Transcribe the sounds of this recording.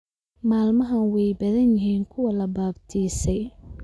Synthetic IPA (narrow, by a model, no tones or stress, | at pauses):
maːlmɐɦɐnwɛjbɐðɐnjɪɦiːŋkʰʊwɐlɐbaːbt̪ʰiːsɛj